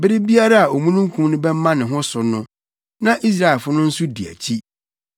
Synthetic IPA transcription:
bɪ˦ɾɪ˦bi˦a˦ɾa˦a˨o˨mũ˦nũ˦ŋ̩˦kʰũ˦mnʊ̃˦bɛ˦m˦mã˦nɪ̃˨ɦʊ̃˦sʊ˨nʊ̃˦ | nã˦ʔi˦s̬ɾa˦˨ɛ˨fʊ˦nʊ̃˦n̩˦su˦di˨æ̰˨t͡ɕʰi˦

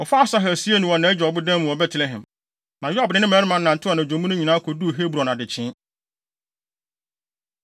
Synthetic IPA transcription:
ɔ˨fa˦sa˦ɦɛ˨si˦e˦nũ˨ɔ̃˨nã˨˦ɛ˦d͡ʑᶣɔ˨bʊ˦dã˦mũ˨wɔ˨bɛ˦tʰɪ˨lɛ˦ɦɛ̰̃˨m | mã˨ja˦bɪ˨nɪ̃˦ɪ̃˦mɛ˨˦ɾɪ˦mã˨n̩˦nã˨n˨tʰɪ˦ɔ˨nã˨õ˨˦mũ˦nʊ̃˦ɲĩ˨nã˦kʰɔ˨du˦˨ɦe˦bɾɔ̃˨na˨dɪ˨t͡ɕʰɪ̃˦

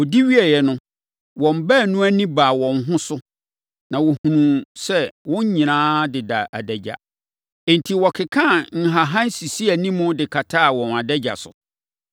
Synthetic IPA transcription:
ɔ˨di˦ɥi˦ɛ˨jɛ˨nʊ̃˦ | wɔ̃˨m˨bæ˦˨nũ˦æ˦nĩ˦baː˨wɔ̃˨nɦʊ̃˦sʊ˦ | nã˨wo˨hũ˨nũ˨sɛ˦wɔ̃˦ɲ˦ɲĩ˨nãː˦dɪ˨da˨ʔa̰˨dɛ˨d͡ʑa̰˨ | n̩˨tʰi˨wɔ˨kʰɪ˨kʰã˦˨ŋ̩˨ɦa˨ɦã˦n˦si˨si˦æ˨nĩ˦mʊ̃˦dɪ˨kʰa˨tʰa˦˨wɔ̃˨na˨dɛ˦d͡ʑa̰˨sʊ̰˨

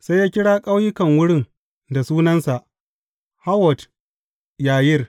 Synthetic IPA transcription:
sa˦jːaː˦kʲɪ˦ɽaː˦kʼa˦wjɪ˦kɐ˨ŋwʊ˦ɽɪ˦ŋ | da˨suː˦nɐ˦nsa˨ʔ | ha˦wɔ˨t | jaː˨jɪ˦r

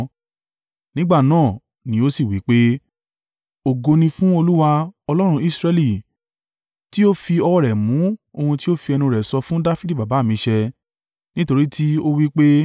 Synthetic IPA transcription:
nĩ˦ɡ͡ba˦˨nãː˦˨ | nĩ˨˦o˦si˦˨wi˨˦k͡pe˦ | o˨ɡo˧nĩ˧fũ˦o˧lu˦wa˧ɔ˧lɔ˦ɾ̃ũ˧i˦˨sɾɛ˧li˨ | ti˦o˦fi˧ɔ˧wɔ˦ɾɛ˨mũ˨˦o˧hũ˧ti˦o˦fi˧ɛ˧nũ˧ɾɛ˨sɔ˧fũ˦da˦fi˦di˦˨ba˨ba˨˦˨mĩ˧ʃɛ˧ | nĩ˦to˧ɾi˦tʰi˦o˦wi˦k͡pe˦

